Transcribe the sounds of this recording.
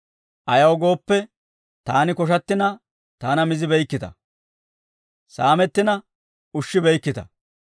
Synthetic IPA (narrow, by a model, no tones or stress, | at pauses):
ʔɐjɐwɡo̞ːpːɛ | t̪aːnɪkɔʃ̬ɐt̪ːɪnɐ | t̪aːnɐmɪzɪbɛjkːɪt̪ɐ̰ | saːmɛt̪ːɪnɐ | ʊʃːɪbɛjkːɪt̪ɐ̥̰